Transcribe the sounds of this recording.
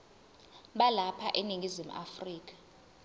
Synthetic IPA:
ɓalapʰa̰ʔeniŋɡʱizim̩ʔa̰friːk̬ʼḁ

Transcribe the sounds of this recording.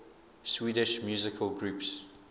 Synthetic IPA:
swiːdɪʃmjuːzɪkʰəlɡɹuːˑps

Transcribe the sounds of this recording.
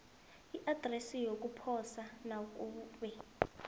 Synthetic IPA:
iʔad̥rɛsijok̬ʼupʰɔsanak̬ʼuːɓɛ

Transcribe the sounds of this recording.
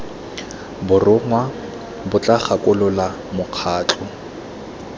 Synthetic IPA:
bʊrʊŋwa | bʊt͡ɬʼaχakʼʊlʊla | mʊq͡χʰaːt͡ɬʰʼʊ

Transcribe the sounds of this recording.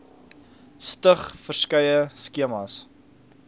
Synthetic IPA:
stəχfərskɐjəskiəmɐs

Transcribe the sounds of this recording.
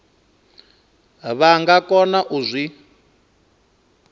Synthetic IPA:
βaŋɡakɔnaʔuzʷi

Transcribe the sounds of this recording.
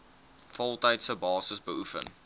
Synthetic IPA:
fɔlˠtəjtsəbɑːsəsbəufə̰n

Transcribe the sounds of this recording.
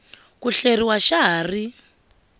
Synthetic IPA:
kuɬeɾiwaʃaɦaːri

